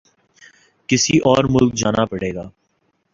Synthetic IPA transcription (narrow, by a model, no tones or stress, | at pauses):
kɪsiʔɔːɾmʊlk̚d͡ʒaːnapɐɽeːɡaː